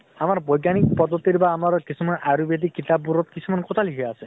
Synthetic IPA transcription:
amaɾɔbɔjɡanik̚pɔd̪ːɔt̪iɾbaːmaɾɔkit͡ʃʰumaneʔaɾubed̪ikit̪abuɾɔt̪kit͡ʃʰumanekot̪ʰaliɦʰejase

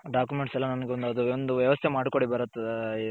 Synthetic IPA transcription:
ɖaːkumeɳʈsɛlːɐnɐnɐɡeond̪uɐd̪uond̪uʋjɐʋɐst̪ʰemaːɽko̞ɽibɐɾɐt̪ːe

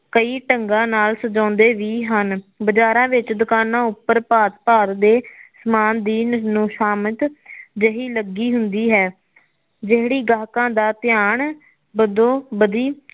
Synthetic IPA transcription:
kəiːʈəŋɡãːnaːlsəd͡ʒãːnd̪eːʋiːɦənbəd͡ʒaːɾãːʋɪt͡ʃd̪ʊkaːnãːʊpːəɾpaːt̪paːt̪d̪eːsmaːnd̪iːnũːʃaːmət̪d͡ʒəɦiːləɡiːɦʊnd̪iːɦɛː | d͡ʒeɦɽiːɡaːkãːd̪aːt̪ɪjaːɳ | bəd̪õːbəd̪iː

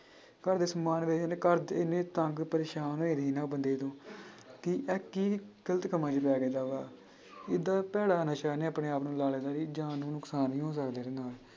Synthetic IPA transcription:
kəɾd̪eːsəmaːnʋeːd͡ʒneːkəɾd̪eneːt̪ə̃ŋɡpəɾeːʃaːnoeːd̪eiːnãːbənd̪eːt̪õːkiʔɛːkiːɡ̥ələt̪kəmãːd͡ʒp̬ɛːɡed̪aːʋaː | ɪd̪aːpɛːɽaːnaːʃaːneːaːpneːaːpnũːlaːleːd̪aːɾiːd͡ʒaːnːũːnʊksaːnĩːɦõːs̬əkd̪eːd̪eːnaːl

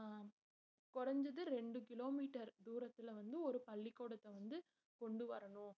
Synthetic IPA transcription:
kɔrɐɲd͡ʒɐðɯɾɛɳɖɯkɪloːmiːʈːɐɾd̪uːɾɐt̪ːɪlʋɐnd̪ɯɔɾɯpɐɭːikːoːɽɐt̪ːɐʋɐnd̪ɯ | kɔɳɖɯʋɐ̰ɾɐɳʊ̃

